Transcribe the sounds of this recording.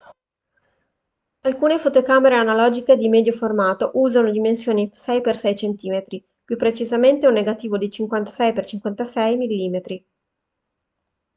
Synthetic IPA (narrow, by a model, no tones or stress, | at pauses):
alkuːnefot̪okaːmeɾeanalɔːd͡ʒiked̪imed̪joformaːt̪oʔuːzanod̪imensjoːnisɛjpersɛjt͡ʃent̪iːmet̪ɾi | pjupːɾet͡ʃizament̪eunːeɡat̪iːvod̪it͡ʃiŋkwant̪ḁsɛjpert͡ʃiŋkwant̪asɛjmilːiːmet̪ɾi